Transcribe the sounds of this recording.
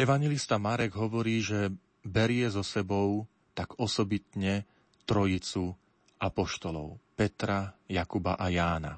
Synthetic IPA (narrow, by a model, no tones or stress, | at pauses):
ɛʋaɲjɛlist̪amaɾɛɡɦɔʋɔɾiːʒɛ | bɛɾɪɛzɔsɛbɔʊ | t̪aɡ̥ɔsɔbit̪ɲɛ | t̪ɾɔjit͡su | ʔapɔʃt̪ɔlɔʊpɛt̪ɾajakuba̰ʔajaːna̰